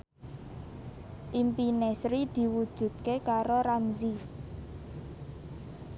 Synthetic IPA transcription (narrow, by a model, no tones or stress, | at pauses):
ʔimpinesɾid̪̥i̤wud̥ʒ̥ṳd̪̥̚kekaɾoɾamzi